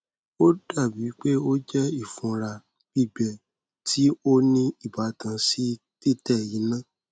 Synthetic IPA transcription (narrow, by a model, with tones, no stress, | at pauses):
o˦da˦˨bi˨˦k͡pe˦o˦d͡ʒɛ˦i˦˨fũ˧ɾa˧ | bi˦˨ɡ͡bɛ˨ | tʰi˦o˦nĩ˦i˦˨ba˨˦tã˧si˦ | ti˦tɛ˦˨ji˨˦nã˦˨